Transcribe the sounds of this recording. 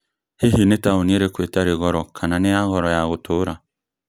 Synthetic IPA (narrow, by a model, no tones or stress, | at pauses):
heɦinetaoneɾekwetaɾeɣɔɾɔkʰananeaɣɔɾɔjaɣotoɾa